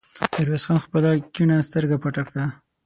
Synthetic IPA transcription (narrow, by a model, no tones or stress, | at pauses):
t̪aɾwesxɑnxpəlakiɳast̪əɾɡapaʈakɽa